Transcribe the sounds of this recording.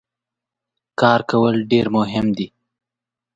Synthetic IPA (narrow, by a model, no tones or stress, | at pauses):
kɑːɾkawəlɖeɾmʊɦɪmd̪i